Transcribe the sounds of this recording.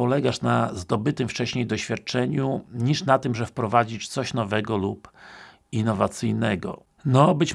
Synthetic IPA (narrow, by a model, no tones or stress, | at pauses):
ɔlɛɡaʂnazd̪ɔbɘt̪ɘmft͡ʂɛɕɲejd̪ɔɕfʲjat̪̚t͡ʂɛɲuɲiʂnat̪ɘmʐɛfpɾɔvad͡ʑit͡ɕt̪sɔɕnɔvɛɡɔlup | inːɔvat̪sɘjnɛɡɔ̰ | nɔbɘt͡ɕ